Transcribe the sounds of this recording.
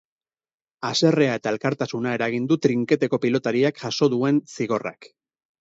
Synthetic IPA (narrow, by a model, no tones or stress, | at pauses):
ase̞re̞ae̞t̪ae̞lkaɾt̪asunae̞ɾaɣ̞ind̪ut̪ɾiŋke̞t̪e̞ko̞pilo̞t̪aɾiakʝaso̞ðue̞nsiɣo̞ra̰k